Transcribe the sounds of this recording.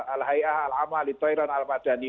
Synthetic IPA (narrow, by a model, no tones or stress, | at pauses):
alhajahalʕamalit̪ɔiɾanalmad͡ʒani